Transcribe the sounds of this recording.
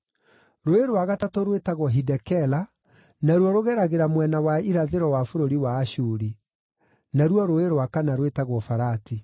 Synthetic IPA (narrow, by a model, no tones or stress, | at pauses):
ɾoeɾwaɣatatoɾwetaɣwɔɦidɛkɛla | naɾwɔɾoɣɛɾaɣeɾamwɛnawaiɾaðeɾɔwafoɾoɾiwaːɕuɾi | naɾwɔɾoeɾwakanaɾwetaɣwɔfaɾati